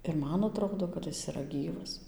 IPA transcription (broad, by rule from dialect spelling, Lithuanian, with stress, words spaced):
ɪr ˈmɐn ɐˈtroːdoː kɐt ˈjɪs iːˈrɐ ˈɡʲiːʋɐs